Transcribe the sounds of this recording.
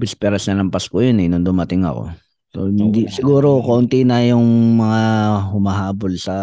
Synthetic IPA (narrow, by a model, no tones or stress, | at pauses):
bɪspɛɾɐsnɐlɐmpɐskojonɪnʊnd̪ʊmɐt̪ɪŋɐ̰ko̰ | so̰hɪnd̪isɪɡuːɾokoʔʊnt̪inɐjʊŋmɐŋahʊmɐɦaːbolsɐ